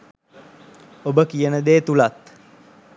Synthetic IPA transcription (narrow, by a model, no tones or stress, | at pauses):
obəkijənəd̪eːt̪ulat̪